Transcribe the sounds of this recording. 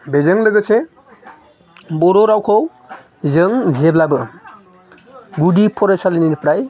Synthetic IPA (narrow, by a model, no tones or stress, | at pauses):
bezɯŋlɯɡɯse | bɔɾɔɾawkʰɔw | zɯŋzeblabɯ | ɡudipʰɔɾesalininipɾaj